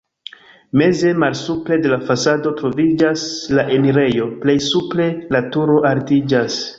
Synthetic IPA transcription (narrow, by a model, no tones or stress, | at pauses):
me̞ze̞malsuple̞de̞lafasado̞tɾo̞vid͡ʒaslaʔe̞miɾe̞jo̞ple̞jsuple̞latuɾo̞ʔaɾtid͡ʒas